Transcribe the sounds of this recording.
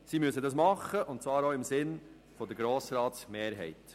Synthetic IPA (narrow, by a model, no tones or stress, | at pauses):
simyəsədɑsmɑχːəʔʊntt͡svɑːɾoːɪmsɪn | fɔd̪əɾɡɾoːsɾɑːtsmeːɾɦɛ̰ɪt̪